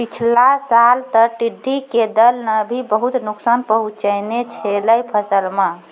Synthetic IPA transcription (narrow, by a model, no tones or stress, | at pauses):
pit͡ʃʰlasalt̪əʈiɖʱːiked̪əlnəbʱibəɦut̪nuksanpəɦũt͡ʃəjnet͡ʃʰeləjpʰəsəlme